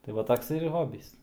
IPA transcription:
tɐɪ ˈʋɐ ˈtoːks ɪr ˈɣoːbʲiːs

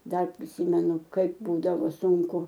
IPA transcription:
ˈdɐr pʲrʲɪˈsʲiːmʲɛnʊ ˈkɐɪp ˈbuːdɐʋoː sʊŋˈkʊ

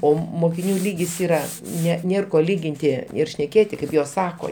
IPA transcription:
ˈoː moːkʲɪˈnʲuː ˈlʲiːɡʲɪs ˈiːrɐ ˈnʲɛ ˈnʲeːr ˈkoː ˈlʲiːɡʲɪnʲtʲɪ ɪr ʃʲnʲɛˈkʲeːtʲɪ kɐɪp ˈjoːs ˈsɑːkoː

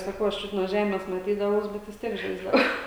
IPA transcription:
sɐˈkɐʊ ɐʃ ˈt͡ʃʲʊt nuɔ ˈʒʲæːmʲeːs mɐˈtʲiːdɐʋɐʊs ˈbʲɛt ʋʲɪs ˈtʲiɛk ˈʒɐɪzdɐʋɐʊ

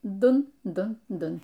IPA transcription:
ˈdʊn ˈdʊn ˈdʊn

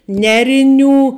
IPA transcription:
ˈnʲæːrʲɪˌnʲuː

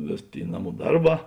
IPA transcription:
ˈʋʲeːs ˈtʲeːɪ ˈnɑːˌmuː ˈdɐrˌbɑː

